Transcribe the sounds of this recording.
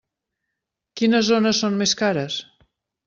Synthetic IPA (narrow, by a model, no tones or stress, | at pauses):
kinəzonəsonmeskaɾəs